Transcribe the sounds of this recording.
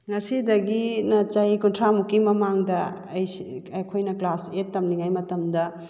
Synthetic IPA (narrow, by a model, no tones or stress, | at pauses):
ŋɐsidɐɡinɐt͡ʃajkuntʰɾamukimɐmaŋdɐ | jɐjkʰojnɐklasetːɐmliŋajmɐtɐmdɐ